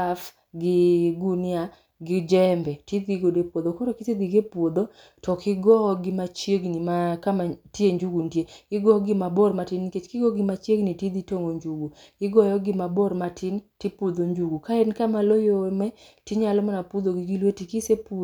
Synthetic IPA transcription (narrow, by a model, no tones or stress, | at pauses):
af | ɡɪɡunɪa | ɡɪd͡ʒɛmbɛtid̪iɡodepwod̪okɔɾɔkɪsed̪iɡepwod̪o | tɔkɪɡɔɡɪmat͡ʃjeɡnimakamatjeɲd͡ʒuɡundjeɡɪɡɔɡɪmabɔrmatɪnket͡ʃkɪɡɔɡɪmat͡ʃjeɡnitid̪itoŋoɲd͡ʒuɡu | kɪɡɔjɔɡɪmabɔrmatʰɪntipud̪oɲd͡ʒuɡukaɛnkamalojomɛ | tiɲalɔmanapud̪oɡɪɡilwetikisepu